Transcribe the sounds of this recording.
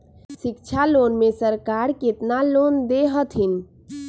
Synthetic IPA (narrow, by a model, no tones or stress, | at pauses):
sɪk̚t͡ʃʰalonmesəɾkaɾket̪nalond̪eɦət̪ɦɪn